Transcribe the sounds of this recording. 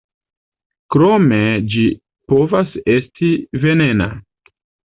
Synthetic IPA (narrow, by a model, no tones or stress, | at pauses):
kɾo̞me̞d͡ʒi | po̞vase̞stʰive̞ne̞na̰